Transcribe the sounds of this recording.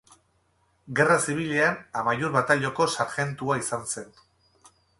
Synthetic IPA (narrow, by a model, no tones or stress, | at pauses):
ɡe̞rasiβ̞iʎeanamajuɾβat̪aʎo̞ko̞saɾxe̞nt̪uaisanse̞n